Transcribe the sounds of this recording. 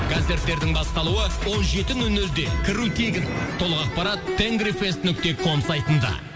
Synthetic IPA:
ɡ̥aze̞ɾt̪ːe̞ɾd̪ɪŋbɑst̪ɑlˠuəwo̞nʒe̞t̪ɪŋʏnːɵld̪e̞kʲʰɪɾut̪ʰe̞ɡʲɪnt̪ʰo̞lˠəqɑq̚pɑɾɑt̪ʰːeŋɡɾife̞st̪nʏk̚t̪e̞kʰo̞msɑjt̪ənd̪ɑ̰

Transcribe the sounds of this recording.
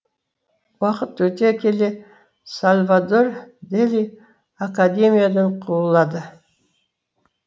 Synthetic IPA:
wɑqət̪wɵt̪ekʲele | salʲvad̪ord̪elʲi | akad̪ʲe̞mʲijad̪əɴqʰuəlˠːɑd̪ə

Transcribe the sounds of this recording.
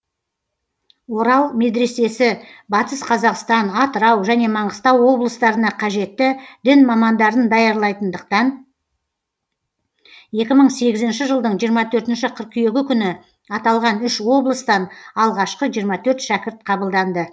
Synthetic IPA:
wo̞ɾɑlˠme̞d̪ɾe̞se̞sɪbɑt̪əsqʰɑzɑqst̪ɑnɑt̪əɾɑwʒæne̞mɑɴəst̪ɑwːo̞blˠəst̪ɑɾənɑqʰɑʒe̞t̪ːɪd̪̥ɪnmɑmɑnd̪ɑɾənd̪ɑjɑɾlˠɑjt̪ənd̪əq̚t̪ɑn | je̞kʲɪməɴse̞ɡʲɪzɪnʃɪʒəlˠd̪əɴʒijəɾmɑt̪ʰɵɾt̪ɪnʃɪqʰəɾq̚kʲʰʏje̞ɡʲɪkʲʰʏnɪ | ɑt̪ɑlˠʁɑnʏʃwo̞blˠəst̪ɑnɑlˠʁɑʃqəʒijəɾmɑt̪ʰɵɾt̪ʃækʲɪɾt̪̚qʰɑbəlˠd̪ɑnd̪ə

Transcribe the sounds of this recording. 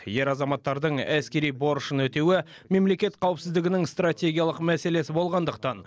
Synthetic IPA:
je̞ɾɑzɑmɑt̪ːɑɾd̪əɴæskʲe̞ɾijbo̞ɾəʃənwɵt̪ewɪ | me̞mle̞kʲe̞t̪qʰɑwɪpsɪzd̪ɪɡʲɪnɪŋst̪ratʲe̞ɡʲijalˠəqmæse̞le̞sɪbo̞lˠʁɑnd̪əq̚t̪ɑn

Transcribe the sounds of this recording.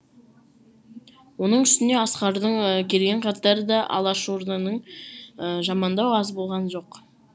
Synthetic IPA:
wo̞nəɴʏst̪ɪne̞ɑsqɑɾd̪əɴkʲʰe̞lɡʲe̞ɴqʰɑt̪ɑɾəd̪ɑʔɑ̰lˠɑʃo̞ɾd̪ɑnəɴəʒɑmɑnd̪ɑwɑzbo̞lˠʁɑnʒo̞q

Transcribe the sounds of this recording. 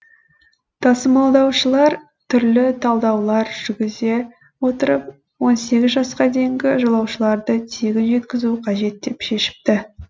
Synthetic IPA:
t̪ʰɑsəmɑlˠd̪ɑwʃəlˠɑɾ | t̪ʰʏɾlɪt̪ʰɑlˠd̪ɑwlˠɑɾʒ̥ʏɾɡʲɪze̞ | wo̞t̪əɾəp̚ | wo̞nse̞ɡʲɪzʒɑsqɑd̪e̞jŋɡʲɪʒolˠɑwʃəlˠɑɾd̪ət̪ʰeɡʲɪnʒe̞t̪kʲɪzuqʰɑʒe̞t̪̚d̪e̞pʃe̞ʃɪ̥p̚t̪ɪ

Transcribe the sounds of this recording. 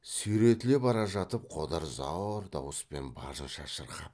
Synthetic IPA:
suɾe̞t̪ɪle̞bɑɾɑʒɑt̪əp̚qʰo̞d̪ɑɾzɑwɾd̪ɑ̰wəspe̞nbɑ̰ʒənʃɑʃəɾqɑp

